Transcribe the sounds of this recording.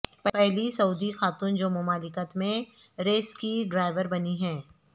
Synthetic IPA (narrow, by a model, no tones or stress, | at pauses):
pɛpɛɦlisɐuːd̪ixaːt̪uːnd͡ʒoːmʊmaːlɪkət̪mẽ | ɾeːskiɖɾaːɪʋəɾbɐniɦɛː